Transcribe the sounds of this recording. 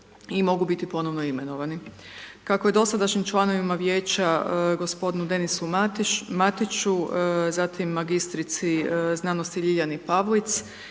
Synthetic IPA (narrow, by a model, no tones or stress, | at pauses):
imo̞ɡubit̪ipo̞noʋnoime̞no̞ʋanikako̞je̞d̪o̞sad̪aʃnimt͡ʃlˠano̞ʋimaʋje̞ːt͡ɕaɡo̞spo̞d̪inud̪e̞nisumt̪mat̪it͡ʃuzat̪imːaɡist̪ɾit̪siznaːnost̪iʎiʎanipaʋlˠit̪s